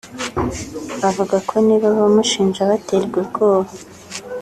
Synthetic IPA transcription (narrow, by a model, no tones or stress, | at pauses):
βavuɡakʰo̞niβaβomuʃiːnʒaβateɾɡwiɾɡo̞ːβa